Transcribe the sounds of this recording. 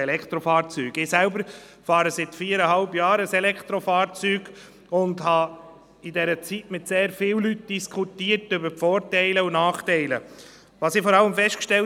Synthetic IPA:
ɛlɛkʰt̪ɾɔfɑːɾt͡syːɡɪsælbəɾ | fɑːɾəsɪtfiːəɾəɦɑlbjɑːɾəsɛlɛkχt̪ɾɔfɑːɾt͡syːɡ̥ | ʊndhɑ | idɛɾət͡sitmɪtseːɾfɪːwlyt̚d̥iskʰutiːəɾtʏbəɾpfɔːɾtɛɪləʊnɑːχtɛɪlə | vʋɑːsɪfɔɾɑlːəmfɛʃtkʃtɛl

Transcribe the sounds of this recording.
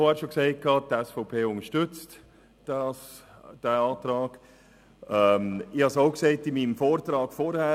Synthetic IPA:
foæːɾʃokseɪt̚kʰːɑːtɛsfɔʊpʰeːʊŋəʃtʏt͡st | d̥ɑsd̥æɑːt̪ɾɑːɡ̥ | ɛmɪhɑsaʊksɛɪtɪmiːnmfoːɾt̪ɾɑːkfɔɾhæː

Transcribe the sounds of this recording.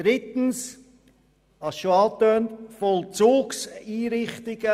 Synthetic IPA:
d̥ɾɪt̪n̩s | ɑsʃoɑːt̪øːntfɔlˠt͡suːksiːɾɪχtɪɡ̥ə

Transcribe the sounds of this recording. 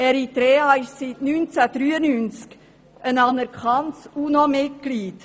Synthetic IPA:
ɛɾit̪ɾɛːɑɪʃsitnynt͡sæd̥ɾyːənynt͡sk | ənɑnəɾkχɑnsunomɪt̚kliːt

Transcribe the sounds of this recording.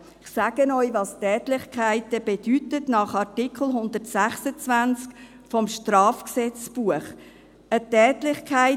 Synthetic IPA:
ɪχsaːɡ̥ənɔʏvɑstɛːtlɪχkʰæɪtəb̥ed̥ytətnɑχɑɾtɪkʰl̩ɦʊnd̪ətsæχsət͡svænt͡sk | fɔmʃtrɑːfksɛt͡sb̥uəχ | ətɛːtlɪχkʰaɪ

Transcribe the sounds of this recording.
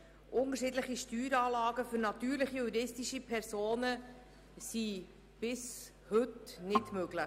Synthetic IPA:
ʔʊnəɾʃɪːdləχiʃtyːɾɑːlɑːɡəfʏɾnɑt̪yːɾləχijuɾɪstiʃipʰɛɾsoːnə | si | b̥ɪs | hɵtnɪdmøɡ̥ləχ

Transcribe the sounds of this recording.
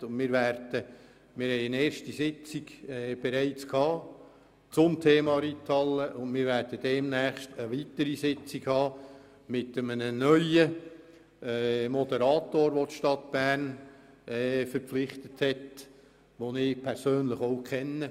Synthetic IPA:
ʊnmɪːɾʋæɾd̥ə | mɪːɾhɛɪɪneːɾʃtisɪt͡siɡ̥ɛb̥eɾæɪt͡skʰhɑː | t͡sʊmtʰeːmɑɾitʰɑləʔʊnmɪːɾʋæɾd̥əd̥ɛːmnæːχʃtəʋitəɾisɪt͡siɡhɑː | mɪtəmənənœʏə | mɔdəɾɑːt̪oːɾʋot̪ʃtɑtb̥æːrn | ɛːfəɾpflɪχt̪əthɛt | ʋonɪːpʰɛrsøːnləχoʊkʰχɛnːə

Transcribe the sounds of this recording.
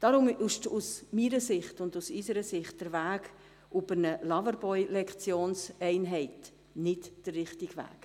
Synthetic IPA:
d̥ɑɾʊmɪʃtusmiːɾəsɪχtʊndusysəɾəsɪχt̚d̥əɾvæːɡ | ʔʊbənəlɑvəɾbɔʏlɛkχt͡sjoːnsɛɪnɦɛɪt | nɪtd̥ərrɪχtɪɡʋæ̰ːk

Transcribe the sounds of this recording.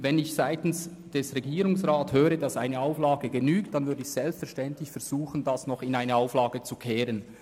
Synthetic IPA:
vɛnɪçsaɪtn̩s | d̥ɛsʁɛɡiːɾʊŋsʁaːthøːɾədɑsaɪnəaʊflɑːɡəɡənyːktd̥anvʏɐdəɪçsɛlpstfɛɐʁʃtɛntlɪçfɛʁz̥uːxən̩d̥asnɔχɪnaɪnəaʊflaɑːɡət͡sukʰɛːɾən

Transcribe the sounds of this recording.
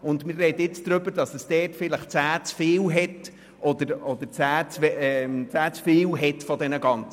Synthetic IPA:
ʊndmɪrrɛdəjɪt͡sd̥̪ɾʏbəɾd̥ɑsəsd̥ɛːtfɪləχt͡sæːt͡sfɪːlɦɛt | ʔɔd̪əɾɔd̪əɾt͡sæːt͡sfɛt͡sæːt͡sfɪːwɦɛtfɔdɛnəɡɑnt͡sə

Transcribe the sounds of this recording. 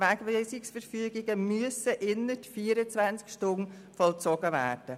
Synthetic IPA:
væɡʋeːsɪksfəɾfyːɡɪɡəmyəsəʔɪnətfiːəɾət͡sʋvænt͡skʃtʊn | fɔlt͡sɔɡ̥əvæ̰ːɾd̥ə

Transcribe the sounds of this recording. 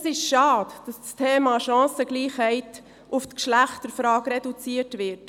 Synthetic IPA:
sɪʃʃɑːtd̥ɑsstʰeːmɑʃɑ̃ːsəɡliːχhɛɪt | ʊftkʃlæχtəɾfɾɑːkɾɛdut͡siːətʋɪɾt

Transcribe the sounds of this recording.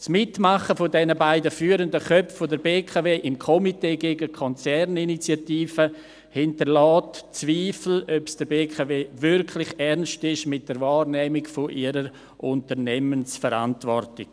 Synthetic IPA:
smɪtmaχəfʊdɛnəbaɪdəfyːɾəndəχœpffodəɾbeːkʰaveːʔɪmkʰɔmiteːɡeːɡəkʰɔnt͡sɛrninit͡sjatiːfə | hɪntəɾlaːtt͡sviːfl̩œpsd̥əɾbeːkʰaveːvʏɾkʰlɪχɛɾnstɪʃmɪt̚d̥əɾvaːrnɛːmɪɡfoʔiəɾəɾ | ʔʊntəɾnɛmənsfəɾa̰ntvɔrtɪk

